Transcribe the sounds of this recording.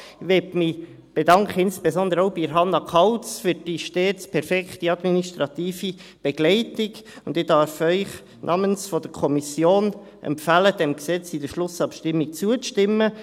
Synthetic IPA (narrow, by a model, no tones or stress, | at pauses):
ʋɛtmi | b̥edɑŋkχəɪnsb̥ezɔnd̪əɾoʊbiɾɦɑnːɑkʰɑlt͡sfyɾd̥iʃteːtt͡spʰɛɾfɛktiɑd̪miniʃtɾɑt̪iːfib̥eɡ̥lɛɪtɪkʊndɪdɑɾfœʏχ | nʔɑːmənsfɔd̥əkʰɔmisjoːn | ʔɛ̰mpfæləd̥ɛmksɛt͡sidəʃlʊsɑpʃtɪmːik̚t͡suəʃtɪmːə